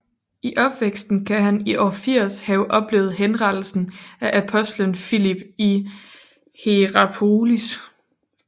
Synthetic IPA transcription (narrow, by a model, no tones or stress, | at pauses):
iʔɒ̽b̥ʋeɡ̥sd̥n̩kʰæɦæniʔɒːfiɐ̰shɛʊʔɒ̽b̥le̝ːʊð̩ˠɦenʁɑ̈d̥l̩sn̩æʔæpʰɒ̽sd̥lənfilib̥i | he̝ʁɑpʰoːlis